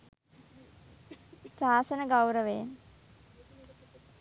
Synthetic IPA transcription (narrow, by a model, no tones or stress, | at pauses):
saːsənəɡawɾəʋen